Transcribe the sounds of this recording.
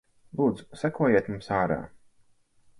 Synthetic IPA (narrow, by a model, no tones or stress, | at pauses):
lˠuːd̪zu̥sakuɔjiɛt̪mumsaːɾa̰ː